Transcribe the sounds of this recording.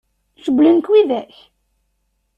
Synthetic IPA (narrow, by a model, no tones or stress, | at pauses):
səɡʷlənkwiðæç